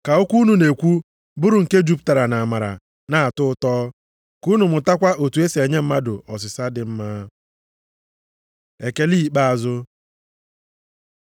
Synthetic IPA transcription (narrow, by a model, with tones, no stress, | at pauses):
ka˨ʊ˦kʷu˦nu˨ne˨kʷu˦ | bʊ˦ɾʊ˨ŋ̩˨ke˦d͡ʒu˦p̚ta˨ɾa˨na˨a˨ma˨ɾa̰˨ | na˦a˨tʊ˦ʊ˦tɔː˦ | ku˦nu˨mʊ˨ta˦kʷa˦ʔo˨tu˨e˦se˨ɲe˦m̩˦ma˦dʊ̰˨ʔɔ˨s̬ɪ˨sa˦dɪ˨m̩˦ma˦ | e˨ke˦li˦˨k͡pa˦a˨zʊ˦